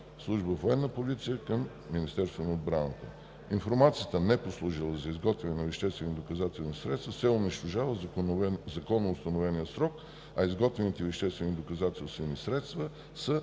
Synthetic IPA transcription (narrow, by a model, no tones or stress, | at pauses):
slˠuʒbəvoɛnːəpozit̪sijəkəmː | inist̪ɛɾst̪vʊnəod̪bɾanə̰t̪ə | infoɾmat̪sijət̪ənɛposlˠuʒilˠəzɐizɡɔt̪vɛnɛnɐvɛʃt̪ɛst̪vɛnid̪okɐzat̪ɛlˠnisɾɛt̪st̪vəsɛʊniʃt̪oʒavə | zɐkɔnːoʊst̪ɐnovɛnijəsɾɔk | ɐizɡɔt̪vɛnit̪ɛvɛʃt̪ɛst̪vɛnid̪okɐzat̪ɛlˠst̪vɛnisɾɛt̪st̪və | sə